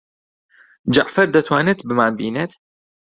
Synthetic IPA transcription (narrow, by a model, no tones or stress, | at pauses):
d͡ʒa̰ʔfɐɾd̪ɐt̪ʰwaːnɨt̪bɨmaːnbiːnet̪